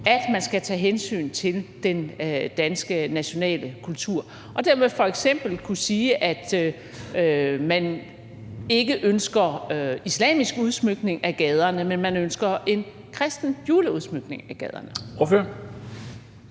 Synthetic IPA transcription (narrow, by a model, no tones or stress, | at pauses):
æd̥mænsɡ̥æt͡sʰɛ̰ːɦensy̰ːnt͡sʰe̝ld̥end̥ænsɡ̥ənæɕo̝nɛ̰ːləkʰult͡sʰuɐ̰ | ʔɒ̽d̥æɐmeðˠfɒ̽eɡ̥sem̰b̥l̩kʰusiːʔæd̥ | ømæn | e̝ɡ̥əʔønsɡ̥ɐislɛ̰ːmisɡ̥uð̞ˠsmøɡ̥ne̝ŋæɡ̥ɛð̞ˠɐnəmenmænønsɡ̥ɐʔe̝n | kʰʁɛsd̥n̩juːləuðˠsmøɡ̥ne̝ŋæɡ̥ɛð̞ˠɐ̰nəoføɐ̰